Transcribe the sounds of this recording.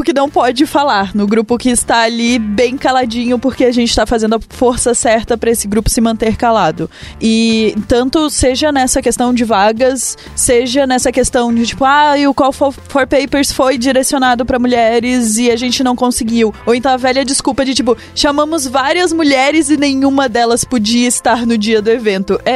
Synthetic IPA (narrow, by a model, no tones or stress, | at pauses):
ʊkɪnɐ̃w̃pɔd͡ʒɪfalaɾnʊɡɾupʊkɪːst̪aːlibẽj̃kalad͡ʒĩɲʊpoɾkeaʒẽnt͡ʃɪ̥t̪afazẽnd̪ʊɐfoɾsɐsɛɾt̪ɐpɾɐesɪɡɾupʊ̥sɪmɐ̃nt̪eɾkalad̪ʊɪt̪ɐ̃nt̪ʊseʒɐnɛsɐkest̪ɐ̃w̃d͡ʒɪvaɡɐsː | eʒɐnɛsɐkest̪ɐ̃w̃d͡ʒɪt͡ʃi̥pʊaʊkwawfofɔɾpejpeɾsfojd͡ʒiɾesionad̪ʊpɾɐmuʎɛɾɪzɪaʒẽnt͡ʃɪnɐ̃w̃kõsɪɡiwowẽnt̪ɐ̃w̃ɐvɛʎɐd͡ʒɪskupɐd͡ʒɪt͡ʃipʊ | ʃamɐ̃mʊzvaɾiɐzmuʎɛɾɪzɪnẽj̃ũmɐd̪ɛlɐspod͡ʒiɐɪst̪aɾnʊd͡ʒiɐd̪ʊevẽnt̪ʊʔɛ